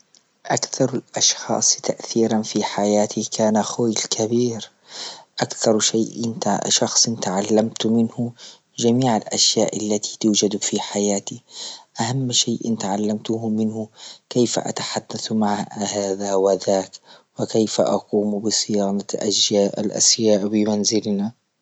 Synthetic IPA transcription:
ʔakθɑɾˤalʔɑʃxɑ̰ːsˤt̪aʔθiːɾanfiħajaːt̪ʰikʰaːnaxoːjlkʰabiːɾ | ʔakθɑɾˤʃaːʔʃɑxsˤnt̪aʕalːamt̪mɪnhʊ | d͡ʒamiːʕalʔa̰ʃjaːʔalːat̪ʰi̥t̪uːd͡ʒad̪fiħajaːt̪iʔahamːʃeːʔɪ̰nt̪ʕalːamt̪ʊhʊmɪnhʊkejfa̰ʔa̰t̪ḁħad̪ːaθmaʕhaːðawɪðaːkwɪkejfa̰ʔɑquːmbɪsˤɨjaːnɑʔa̰ʃjaːʔa̰lʔa̰ʃjaːʔbɪmanzɪlna

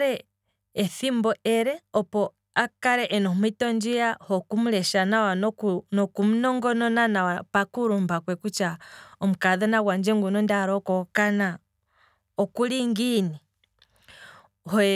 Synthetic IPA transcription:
ɾɛ | ɛθimbɔɛɾɛɔpɔ | akaɾɛʔɛnɔmwitɔnd͡ʒijahɔkumulɛʃanawanɔnɔkumunɔŋɡɔnɔnanawapakuɾumbakwɛkut͡ʃaɔmukaðɔnawand͡ʒɛŋɡunɔndaɾɔkɔkana | ɔkuliŋɡini | hɔ

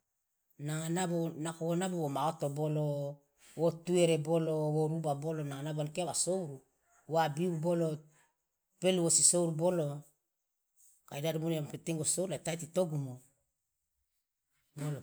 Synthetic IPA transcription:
naŋanabonakowonabowomaotobolo | wotueɾebolowoɾubabolonaŋanaboankeawasowɾu | wabiubolo | pelwosisowɾubolo | kajdadobuneamapeteŋɡosowɾlaetajtitoɡumo | bolo

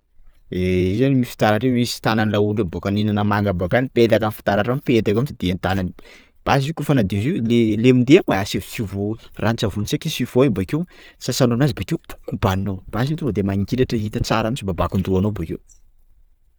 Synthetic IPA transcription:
eizanimifi̥t̪aɾaʈ͡ʂewmisi̥t̪ananilaunubokaninanəmaŋɡabakanipelakanfi̥t̪aɾaʈ͡ʂampet̪akamisid̪eant̪anani | b̥azikufanad̪izilelemind̪eaŋaasevsivorʔant͡savunisekʲisiv̥oebakewsasanonazibakewpu̥kubaninowb̥asint̪uvod̪emaɲikʲiɾaʈ͡ʂəɦit̪it͡saɾamisibabakund̪uanobakḛw

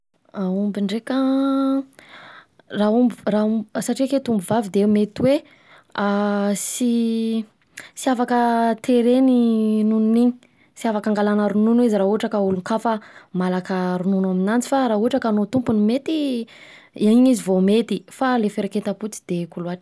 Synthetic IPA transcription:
aumbiɳɖ͡ʐekə | raumbirausaʈ͡ʂiaket̪umbuvavid̪emet̪iwe | asi | siafakət̪eɾeninununiɲi̥ | siafakaŋɡalanaɾununuiziɾaɦuaʈ͡ʂəkauluŋkafəmalakəɾununaminant͡si̥faɾauaʈ͡ʂəkanot̪umpunimet̪i | aiɲizivomet̪ifalefeɾaket̪aput͡si̥d̪̥ekuluaʈ͡ʂ

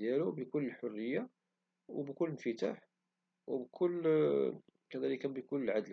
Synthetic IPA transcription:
jælubəkʊlːəlħʊrːəjːa | wbkʊlːənfət̪aħ | wbkʰʊlː | kæd̪æləkænbəkʊlːəlʕad̪l

